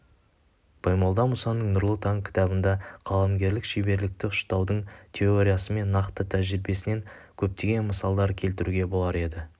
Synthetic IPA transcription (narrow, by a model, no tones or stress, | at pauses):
b̥ʰɑjmɑlˠd̪ɑmʊsɑnːəɴnʊɾlˠət̪ɑŋkʲʰɪ̥t̪ɑbənd̪ɑqʰɑlˠɑmɡʲe̞ɾlɪkʃijbe̞ɾlɪk̚t̪ɪʊ̥ʃt̪ɑwd̪əɴt̪ʲʰe̞oɾʲijasəme̞nːɑqt̪ət̪ʰæʒɪɾɪbe̞sɪne̞ŋkʲʰɵp̚t̪e̞ɡʲe̞nməsɑlˠd̪ɑɾkʲʰe̞lt̪ɪɾuɡʲe̞bo̞lˠɑɾe̞d̪ɪ